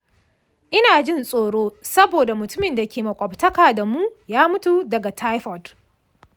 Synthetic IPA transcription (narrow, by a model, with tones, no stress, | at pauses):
ʔɪ˦naː˨d͡ʒɪ˦nsʼoː˨ɽoː˦sɐ˦boː˨da˨mʊ˨tʊ˦mɪ˨nda˨kʲeː˨mɐ˨kʷʼɔ˨btɐ˦kaː˨da˨muː˦jaː˦mʊ˦tu˨dɐ˨ɡa˨tʰa˦jɸɔ˨d